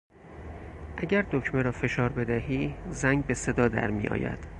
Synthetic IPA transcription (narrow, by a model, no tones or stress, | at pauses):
ʔæɟæɾd̪ocʰmeɾɒːfe̞ʃɒːɾbe̞d̪æɦiːzæŋɡbe̞se̞d̪ɒːd̪æ̰ɾmḭjʔɒ̰ːjæ̰d̪̥